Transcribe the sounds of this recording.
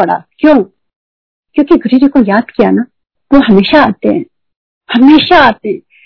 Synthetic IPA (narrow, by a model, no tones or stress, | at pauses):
ɐɽa̰kjõː | kjõːkiɡʱʊɾiɾekojaːd̪kijana | ʋoɦɐmeːʃaaːt̪eɦɛ̰̃ | hɐmeːʃaaːt̪e